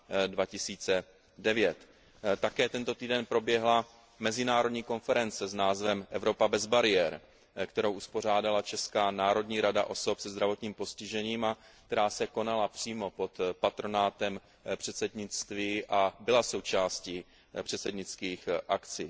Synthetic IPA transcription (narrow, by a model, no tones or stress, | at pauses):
dvacɪsiːt͡sɛ | dɛvjɛt̪ | t̪ːakɛːt̪ɛnt̪o̞t̪iːdɛnpɾo̞bjɛɦla | mɛzɪnaːɾo̞dɲiːko̞nfɛɾɛnt͡sɛznaːzvɛmʔɛvɾo̞pabɛzbaɾɪɛɾ | kt̪ɛɾo̞wʔuspo̞r̝aːdalat͡ʃɛskaːnaːɾo̞dɲiːɾada̰ʔo̞so̞psɛzd̪ɾavo̞t̪ɲiːmpo̞scɪʒɛɲiːma | k̚t̪ɛɾaːsɛko̞nalapr̝̥iːmo̞po̞t̪pat̪ɾo̞naːt̪ɛm | pr̝̥ɛt̪sɛdɲɪt͡st̪viːʔabɪlaso̞wt͡ʃaːsci | pr̝̥ɛt̪sɛdɲɪt͡skiːxʔakt͡siː